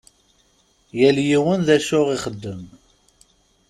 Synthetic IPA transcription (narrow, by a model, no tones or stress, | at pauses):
jæljiwənðæʃʊʁiχəd̪ːəm